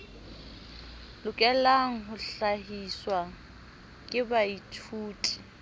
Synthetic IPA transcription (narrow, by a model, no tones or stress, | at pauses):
lʊkʼɛlaŋ̩ɦʊɬaɦiswa | kʼɪbaitʰuːtʼi̥